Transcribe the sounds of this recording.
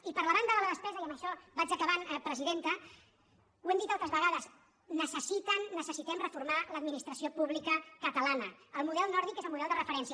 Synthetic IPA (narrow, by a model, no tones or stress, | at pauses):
ipəɾlaβand̪əðələðəspɛzəiəməʃɔbad͡ʒəkəβanpɾəziðent̪ə | wɛmd̪it̪alˠt̪ɾəzβəɣaðəz | nəsəsit̪ənːəsəsit̪ɛmrəfuɾmaləd̪minist̪ɾəsiopuβlikəkət̪əlanəəlˠmuðɛlˠnɔɾð̞ikezəlˠmuðɛlˠd̪ərəfəɾɛnsiə